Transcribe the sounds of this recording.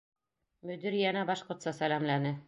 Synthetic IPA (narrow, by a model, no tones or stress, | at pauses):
mɵ̆d̪ĭɾijænæbɑʃqŏɾt̪sɑsælæmlænɘ